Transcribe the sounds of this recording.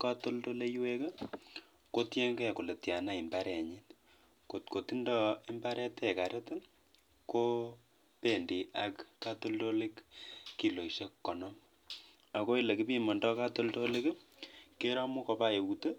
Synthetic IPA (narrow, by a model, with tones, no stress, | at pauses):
ka˦to˦lto˦le˦jwe˦ke˦ | ko˦tje˦ŋɡɛ˦˨ko˨le˨tja˨na˦i˨mba˦ɾɛ˨ɲi˦t | ko˨tko˨ti˦ndɔ˦i˦mba˦ɾʔɛ˦tɛ˦˨ka˨ɾe˦t | ko˦ | pe˨ndi˨a˨kka˦to˦lto˦le˦kki˦lo˨iʃe˦kkːɔ˨nɔ˦m | a˨ko˦i˦le˨ki˦pi˦mɔ˨ndɔ˦ka˦to˦lto˦le˦kke˦ɾɔ˦mu˦kɔ˧pa˦je˨ute˦